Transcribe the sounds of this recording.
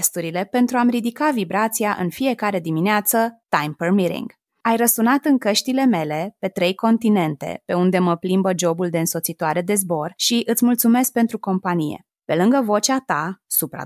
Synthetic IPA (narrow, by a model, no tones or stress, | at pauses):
st̪uɾile̞pe̞nt̪ɾuamrid̪ikavibɾat̪siaʔɨ̰nfije̞kaɾe̞d̪imineat̪sət̪ajmpərmiɾḭŋɡ | ajrəsunat̪ɨŋkəʃt̪ile̞me̞le̞pe̞t̪ɾe̞jko̞nt̪ine̞nt̪e̞̰pe̞und̪e̞məplimbəd͡ʒo̞buld̪e̞ɨnso̞t̪sit̪oaɾe̞d̪e̞zbo̞rʃiʔɨt̪sʲmult̪sume̞sk̚pe̞nt̪ɾuko̞mpanijḛ | pe̞lɨŋɡəvo̞t͡ʃat̪asupɾa̰